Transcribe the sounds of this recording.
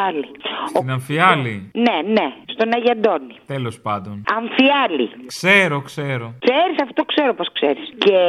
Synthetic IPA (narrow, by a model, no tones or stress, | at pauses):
ɐlioinɐɱfiɐlinenest̪o̞nɐʝɐnd̪o̞nit̪elo̞spɐnd̪o̞nɐɱfiɐlḭkseɾokseɾo̞kseɾisɐfo̥t̪okseɾoposksḛɾisce